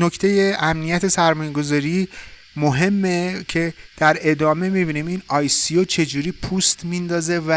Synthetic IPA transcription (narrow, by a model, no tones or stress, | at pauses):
nocʰt̪ʰe̞jeʔæmnijæt̪ʰe̞sæɾmɒːjeɡo̞zɒːɾiː | moɦe̞mːecʰe̞d̪̥æɾe̞d̪ɒːme̞mibiːnimiːnɒːjsiot͡ʃʰe̞d͡ʒuːɾiːpʰuːst̪ʰmind̪ɒːze̞væ